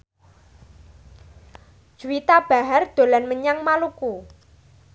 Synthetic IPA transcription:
d̥ʒ̥uit̪ab̥a̤ɦard̪̥o̤lanməɲaŋmaluku

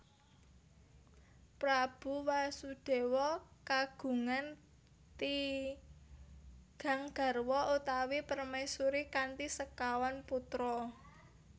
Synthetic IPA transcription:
pɾab̥ṳwasud̥e̤wɔkaɡ̥ṳŋan | t̪i | ɡ̥a̤ŋɡ̥a̤rwɔut̪awipərmajsuɾikant̪isəkawanput̪ɾɔ

